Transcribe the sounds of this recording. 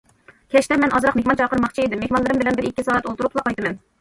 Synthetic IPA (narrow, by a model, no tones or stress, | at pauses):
kʲʰɛt͡ʃt̪ɛmɛnʔɑzɾɑqmehʲmɑnt͡ʃʰɑːqəɾmɑχt͡ʃʰied̪ɪmːehmɑnlˠɨɾɨmbɪlɛnbɪɾikʲːisɑːɛt̪olˠt̪uɾʊqlˠɑqɑjt̪ɨmɛn